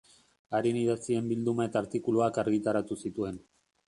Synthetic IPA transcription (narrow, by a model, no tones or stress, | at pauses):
aɾiniðat͡sie̞mbild̪umae̞t̪aːɾt̪ikuluakaɾɣit̪aɾat̪usit̪ue̞n